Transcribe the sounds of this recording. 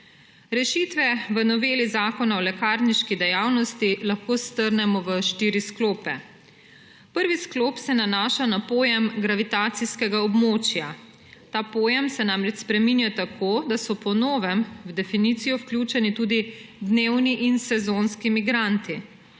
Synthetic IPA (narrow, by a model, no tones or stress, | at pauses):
ɾɛʃiːt̪ʋɛʋənɔʋeːlizaːkɔnaɔlɛkaɾniʃkid̪ɛjawnɔst̪ilaxkoːst̪əɾnɛmɔʋəʃt̪iɾiskloːpɛ | pəɾʋisklopsɛnanaːʃanapoːjɛmɡɾaʋit̪aːt̪siskɛɡaɔbmoːt͡ʃja | t̪aːpoːjɛmsɛnaːmɾɛt͡ʃspɾɛmiːnjat̪akʰoːd̪asɔpɔnoːʋɛmwd̪ɛfinit̪sijɔwklʲjuːt͡ʃɛnit̪uːd̪id̪newniʔinsɛzoːnskimiɡɾant̪i